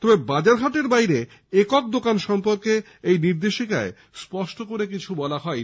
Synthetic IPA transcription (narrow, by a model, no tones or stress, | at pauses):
t̪ɔbebad͡ʑaɾɦaʈeɾbajɾe | ekɔk̚d̪okanʃɔmpoɾke | ejniɾd̪eʃikae | spɔʃʈokoɾek̬it͡ɕʰubɔlaɦɔe